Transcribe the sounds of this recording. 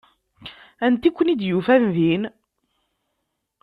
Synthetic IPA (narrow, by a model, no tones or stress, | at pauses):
ænt̪ikʷːənid̪jufænðin